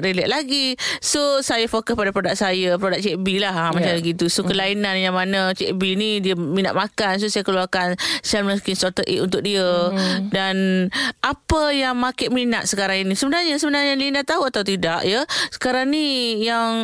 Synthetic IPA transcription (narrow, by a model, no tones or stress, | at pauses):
ɾilɛʔ̚laɡisosajafokəspadapɾodaʔ̚sajəpɾodak̚t͡ʃɛʔbilaɦmat͡ʃamləɡit̪usokəlainanjaŋmanat͡ʃɛʔbinidiəminat̪ʔ̪̚makans̬osajakəluarkansamakinsɔrt̪əʔḭʔunt̪ʊk̚diədanʔapəjaŋmãkɪʔ̚minaʔ̪̚səkaɾaŋinisəbənarɲasəbənarɲalindat̪aɦuat̪awt̪̬idaʔjəsə̥kaɾaŋnijaŋ